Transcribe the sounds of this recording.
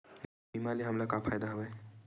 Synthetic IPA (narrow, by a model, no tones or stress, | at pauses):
imaliɦəmlakapʰajd̪aɦəbaj